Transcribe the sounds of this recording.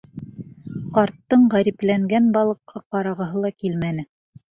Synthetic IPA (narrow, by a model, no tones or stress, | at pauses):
qɑɾt̪ːɤɴʁæɾiplæŋɡænbɑlˠɤ̆qʰːɑqɑɾɑʁɤ̆ɦɤlˠɑkilmænɘ